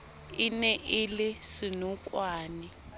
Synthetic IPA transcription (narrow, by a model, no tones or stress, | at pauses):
inɛʔilɪsinukʼwaːni